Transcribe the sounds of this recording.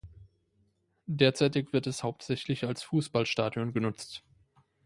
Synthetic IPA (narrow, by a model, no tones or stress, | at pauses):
deːɐt͡saɪtɪkv̥ɪɐtɛshaʊp̚tz̥ɛçlɪçalsfuːsb̥alʃtaːdjonɡənʊt͡st